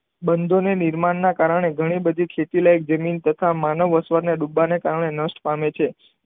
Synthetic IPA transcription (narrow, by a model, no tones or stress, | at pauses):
bənd̪ʱoneniɾmaɳːakaɾəɳ̃eɡʱəɽ̃ibəd̪ʱikʰet̪ilajk̚d͡ʒəmint̪ət̪ʰamanəʋəsʋəɾneɗubːanekaɾəɳ̃enəsʈpamet͡ʃʰe